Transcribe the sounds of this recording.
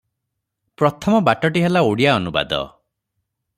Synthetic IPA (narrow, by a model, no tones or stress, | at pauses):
pɾɔt̪ʰɔmɔbaʈɔʈiɦelaoɽijaɔnuba̰d̪ɔ̰